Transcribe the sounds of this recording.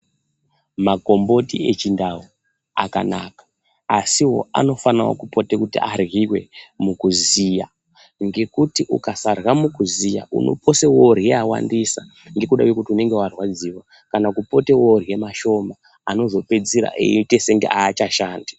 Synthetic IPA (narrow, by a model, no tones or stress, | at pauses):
mako̞mbo̞tiet͡ʃindawu | a̰ka̰na̰ːkḁ | asiwo̞̰a̰no̞fanawo̰kupo̞tekutḭarɣiwe̞̰mukuzija | ŋɡe̞kutiʔṵkasarwamukuzija̰ʔṵno̞̰po̞sewoɾieawa̰ndisa | ŋɡe̞kuɗa̰kwekutiune̞ŋɡe̞warwad͡ziwa | kanakupo̞teworije̞maʃo̞ma | ano̞zo̞pe̞d͡ziɾa̰ʔḛite̞seŋɡḛʔaːt͡ʃaʃaːndi